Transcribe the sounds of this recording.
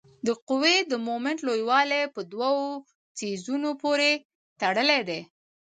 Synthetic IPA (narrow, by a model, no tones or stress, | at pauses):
d̪əqʊwed̪əmomɪɳʈlojwɑlepəd̪wawo | sezunopoɾe | t̪aɽəled̪e